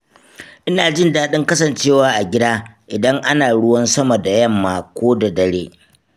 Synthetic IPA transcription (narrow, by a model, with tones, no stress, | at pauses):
ʔɪ˦naː˨d͡ʒɪ˦ndaː˦ɗɪ˦ŋkɐ˦sɐ˨nt͡ʃeː˦˨waː˨˦ʔa˨ɡʲɪ˦daː˦ʔɪ˨dɐ˦ŋʔa˦naː˨ɽʊ˦wɐ˦nsɐ˦mɐ˨da˨jɐ˦˨mːaː˨kʷoː˦da˨dɐ˨ɽeː˦